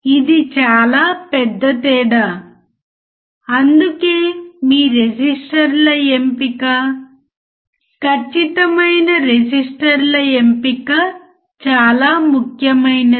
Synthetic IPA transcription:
id̪it͡ʃaːlaːpɛd̪ːɐt̪ɛːɽa | ɐnd̪ukeːmiːɾed͡ʒisʈɐɾlɐempikaː | kʰɐt͡ʃːit̪ɐmɐjnɐɾed͡ʒisʈɐɾlɐempikɐ | t͡ʃaːlaːmukʰjɐmɐjnɐ

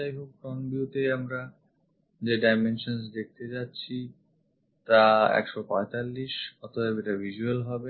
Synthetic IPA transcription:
ajkʰub̚kɔnbiuʈ̪eamɾa | d͡ʑeɖajmenʃons̬d̪ek̚ʰt̪et͡ɕatːɕʰi | t̪aɛ̰kʃɔpɔet̪alːiʃɔt̪ʰabbeʈabʱiʃuelɦɔbe

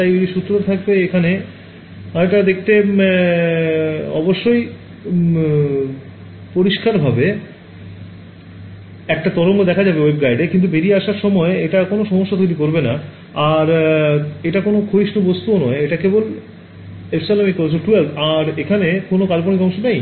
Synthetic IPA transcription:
ajiiʃut̪ːɾot̪at̪ʰak̚beekʰane | aeʈad̪ek̚ʰt̪e | ɔboʃːoj | poɾiʃkaɾbʱabe | ɛk̚ʈat̪ɔɾoŋkod̪ɛkʰad͡ʑabewebɡajɖekint̪ubeɾieaʃaɾʃɔmɔeeʈakonoʃɔmoʃːat̪ojɾikoɾbena | aɾ | eʈakonokʰoiʃnobost̪uonɔeeʈakebol | epʰsalamikoɾt͡ɕʰoʈuelt̪aɾekʰanekonokalponikɔŋʃonej

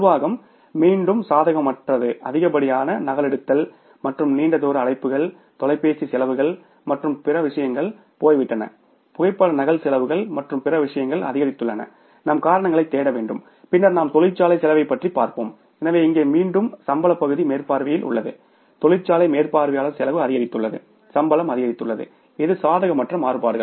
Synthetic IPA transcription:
ʊɾɯʋaːɣɐmː | iːɳɖɯmsaːðɐɣɐmːɐʈrɐðɯʔɐðɪɣɐpɐɽɪjaːnɐnɐɣɐlɛɽɯt̪ːɐl | mɐʈrɯmniːɳɖɐðoːɾɐɐːɭɐɪpːɯɣɐɭ | t̪ɔlɐɪpːeːsisɛlɐʋɯɣɐɭ | mɐʈrɯmpɪɾɐʋɪʂɐjɐŋɡɐɭ | poːjʋɪʈːɐnɐ̰ | pʊɣɐɪpːɐɽɐnɐɣɐlsɛlɐʋɯɣɐɭmɐʈrɯmpɪɾɐʋɪʂɐjɐŋɡɐɭɐ̰ðɪɣɐɾɪt̪ːɯɭːɐnɐ̰ | nɐmkaːɾɐɳɐŋɡɐɭɐɪt̪ːeːɽɐʋeːɳɖɯm | pɪnːɐɾnaːmt̪ɔlɪt͡ʃːaːlɐɪsɛlɐʋɐɪpːɐʈripa̰ːɾpo̰ːm | ɛnɐʋeːɪŋɡeːmiːɳɖɯmsɐmbɐlɐpːɐɣɯðimeːrpaːɾʋɪjɪlʔʊ̰ɭːɐðɯ̰ | t̪ɔlɪt͡ʃːaːlɐɪmeːrpaːɾʋɪjaːlɐsɛlɐʋɯɐðɪɣɐɾɪt̪ːɯɭːɐðɯ̰ | sɐmbɐlɐmɐðɪɣɐɾɪt̪ːɯɭːɐðɯ̰ | ɪðɯsaːðɐɣɐmːɐʈrɐmaːɾɯpaːɾɯɣɐɭ

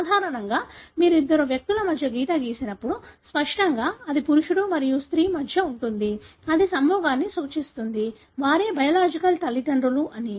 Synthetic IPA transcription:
aːd̪ʱaːɾɐɳɐŋɡaːmiːɾuid̪ːɐɾoːʋjɐk̚t̪ulɐmɐd̪ʱjɐɡiːt̪ɐɡiːsinɐpːuɽuspɐʂʈɐŋɡaːɐd̪ipuɾuʂuɽumɐɾijust̪ɾiːmɐd̪ʱjɐuɳʈund̪iɐd̪isɐmbɔːɡaːnːisoːt͡ʃist̪und̪i | ʋaːɾeːbɐjɐlaːd͡ʒikɐlt̪ɐlːiʈ̪ɐɳɾuluʔɐni

